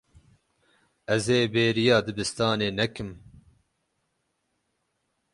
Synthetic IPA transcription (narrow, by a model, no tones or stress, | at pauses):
ɛzeːbeːɾijɑːd̪ɨbɨst̪ɑːneːnɛkɨm